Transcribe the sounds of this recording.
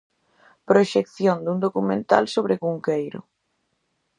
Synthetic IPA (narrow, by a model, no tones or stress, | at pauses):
pɾoʃekθjond̪und̪okumẽnt̪a̰lsoβɾɪkuŋkejɾʊ̰